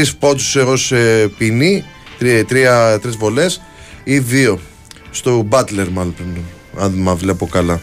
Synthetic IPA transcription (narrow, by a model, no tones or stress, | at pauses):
ispo̞t̪u̥seɣosepini | t̪ɾt̪ɾiɐt̪ɾizvo̞le̞s | iðio̞ | st̪obɐt̪le̞ɾmɐlopɾin | ɐnmɐvle̞po̞kɐlɐ